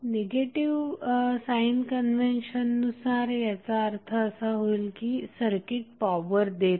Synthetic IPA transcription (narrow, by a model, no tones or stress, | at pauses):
neɡeʈiʋsainkənʋenɕənːusaɾjat͡saəɾt̪ʰəːsaɦoilkiːsəɾkiʈ̚paʋəɾd̪et̪